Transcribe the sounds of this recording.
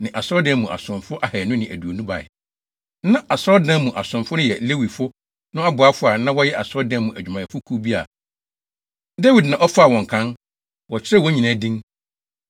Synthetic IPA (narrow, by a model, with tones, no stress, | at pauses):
nɪ̃˨ʔa˨sɾɔ˦dɛ̃˦mũ˨ʔa̰˨sʊ̃˨mfʊ˦ʔa˦hɛ˨nʊ̃˦nɪ̃˨æ̰˨du˨o˨nũ˦ba̰˨ɛ̰˨˦ | nã˦ʔa˨sɾɔ˦dã˦mũ˨ʔa˨sʊ̃˨mfʊ˦nʊ̃˦jɛ˨le˦wi˨fʊ˦ | nʊ̃˦a˦bʊ˨a˦fʊ˦a˨nã˦wɔ˦jɛ˦ʔa˨sɾɔ˦dɛ̃˦mũ˨ʔæ˨d͡ʑᶣmã˨ɛ˨fʊ˦kʰu˦bi˦a̰˨ | dɛ˦wi˨dnã˨ʔɔ˦fa˦˨wɔ̃˨ŋ̩˨kʰã˦n | wɔ˨t͡ɕʰᶣɪ˦ɾɛ˦˨wɔ̃˦ɲĩ˨nã˨˦˨dĩ˦ŋ